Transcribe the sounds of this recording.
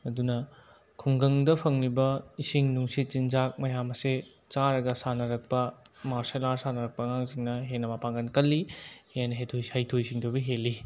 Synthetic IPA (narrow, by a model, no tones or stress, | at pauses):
ɐdunɐ | kʰuŋɡɐŋdɐpʰɐŋlibɐisiŋnuŋsit̚t͡ʃinzak̚mɐjamɐse | t͡ʃaɾɐɡɐsanɐɾɐk̚pɐmaɾselaɾsanɐɾɐk̚pɐŋaŋziŋnɐɦenːɐmapaŋɡɐnkɐlːihenːɐɦetʰojhɐjtʰojsiŋdobiɦelːi